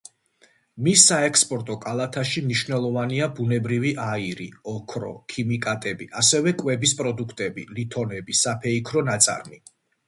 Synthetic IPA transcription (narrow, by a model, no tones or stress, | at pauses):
misːaɛkʰspʼɔɾt̪ʼɔkʼalˠat̪ʰaʃimniʃvnɛlˠɔvaniabunɛbɾiviʔaiɾiɔkʰɾɔ̰kʰimikʼat̪ʼɛbḭʔasɛvɛkʼwɛbispʼɾɔd̪ukʰt̪ʼɛbilit̪ʰɔnɛbisapʰɛikʰɾɔnat̪sʼa̰ɾmi